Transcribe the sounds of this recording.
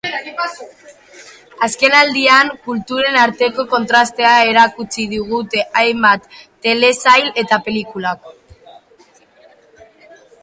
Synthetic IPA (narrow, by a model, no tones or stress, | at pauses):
aske̞nald̪iaŋkult̪uɾe̞naɾt̪e̞ko̞ko̞nt̪ɾast̪e̞ae̞ɾakut͡siðuɣ̞ut̪e̞ʔajmbat̪ː | e̞le̞sajle̞t̪ape̞likulako